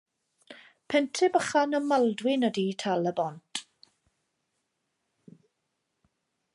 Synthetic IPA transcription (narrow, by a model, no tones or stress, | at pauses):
pʰɛntʰɪbəχanəmalˠdwɪnəditʰalˠəbɔntʰʼ